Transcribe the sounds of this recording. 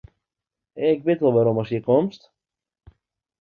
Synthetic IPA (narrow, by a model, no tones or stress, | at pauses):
k̚bɪtʋɛlˠʋaɾomɔsjəkɔmst